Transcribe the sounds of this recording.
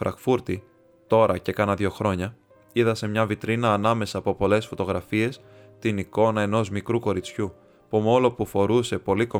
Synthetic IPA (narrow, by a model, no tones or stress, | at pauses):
fɾɐ̰kfuɾt̪i | t̪o̞ɾɐce̞kɐnɐðʝo̞xɾo̞ɲɐ | iðɐse̞mɲɐvit̪ɾinɐːnɐme̞sɐːpopo̞le̞sfo̞t̪o̞ɣɾɐfie̞s | t̪iniko̞nɐe̞no̞zmikɾuko̞ɾit͡sçu | pumolo̞pufo̞ɾuse̞po̞liko̞